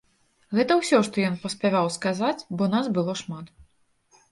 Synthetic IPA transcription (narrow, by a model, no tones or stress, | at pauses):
ɣɛt̪ɐwsʲɔʂt̪ɔjɔnpɐsʲpʲavawskazat͡sʲbɔnasbɨlˠɔʂmat̪